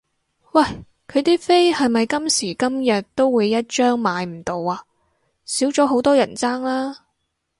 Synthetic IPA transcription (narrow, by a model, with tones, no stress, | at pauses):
wɐ˥˨˩j | kʰɵ˨˧ɥt̪iː˥fe˥jhɐ˨jmɐ˨jkɐ˥msiː˨˩kɐ˥mjɐ˨t̚t̪o˥wːuː˨˧jːɐ˥t̚t͡ʃœː˥ŋmaː˨˧jm̩˨˩t̪o˨˧waː˧ | siː˨˥wt͡ʃɔː˨˥ɦo˨˥wt̪ɔː˥jɐ˨˩nt͡saː˥ŋlaː˥